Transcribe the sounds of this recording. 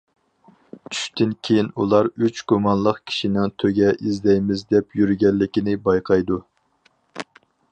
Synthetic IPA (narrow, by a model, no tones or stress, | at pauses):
t͡ʃʰy̥ʃt̪ɪnkʲʰejinulˠɑɾyt͡ʃɡ̥umɑnlˠəqkʲʰi̥ʃinɪŋt̪ʰøɡʲɛʔizd̪ɛjmɪzd̪ɛpjyɾɡʲɛlːɪkʲinɪbɑjqʰɑjd̪u